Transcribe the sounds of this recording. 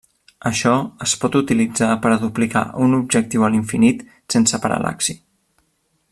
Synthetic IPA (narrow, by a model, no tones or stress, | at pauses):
əʃɔəspɔt̪ut̪ilid͡zapəɾəðuplika̰ʔunubʒək̚t̪iwəliɱfinit̪ | sensəpəɾə̰lʔa̰ksi